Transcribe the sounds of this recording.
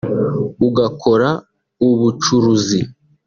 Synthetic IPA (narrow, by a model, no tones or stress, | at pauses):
uɡakʰo̞ɾa | uβut͡ʃuɾuzi